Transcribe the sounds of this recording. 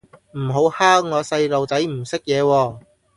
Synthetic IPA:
m̩˨˩ɦo˨˥whaː˥ŋ̚ŋɔː˨˧sɐ˧jlo˨wt͡sɐ˨˥jm̩˨˩sɪ˥k̚jɛː˨˧wɔː˧

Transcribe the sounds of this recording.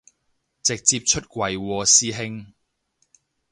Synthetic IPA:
t͡sɪ˨k̚t͡siː˧p̚t͡ʃʰɵ˥t̚kʷɐ˨jwɔː˧siː˥ɦɪ˥ŋ

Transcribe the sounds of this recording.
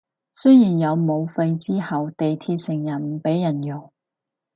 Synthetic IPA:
sɵ˥jjiː˨˩njɐ˨˧wmo˨˧wfɐ˧jt͡siː˥hɐ˨wt̪e˨jt̪ʰiː˧t̚sɪ˨˩ŋjɐ˨˩npe˨˥jːɐ˨˩njʊ˨˩ŋ

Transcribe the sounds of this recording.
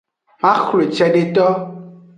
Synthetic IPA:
mã˦xle˨t͡ʃɛ˦ɖe˨t̪ɔ˦

